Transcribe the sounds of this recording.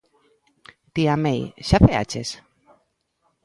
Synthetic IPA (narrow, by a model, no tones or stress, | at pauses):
t̪iamejʃaθea̰t͡ʃes